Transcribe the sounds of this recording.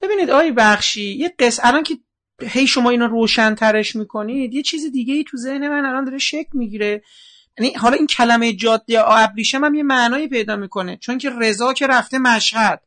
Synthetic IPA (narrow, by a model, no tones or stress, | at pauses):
b̥e̞biːniːd̪ɒːjebæχʃiːjeɢesælɒncʰe | he̞jʃo̞mɒːiːnɒroːʃænt̪ʰæɾe̞ʃmiːkʰo̞nid̪je̞t͡ʃʰiːzid̪iːɟeiːt̪ʰuze̞hne̞mænælɒnd̪ɒːɾeʃecʰlmiɟiːɾe | jænihɒːlɒːiːncʰælæmejed͡ʒɒːd̪ːeʔæbɾiʃæmæmje̞mæʔnɒːiːpʰe̞jd̪ɒːmiːkʰo̞ne̞t͡ʃʰonŋcʰere̞zɒːcʰe̞ɾæft̪e̞mæʃhæd̪̥̚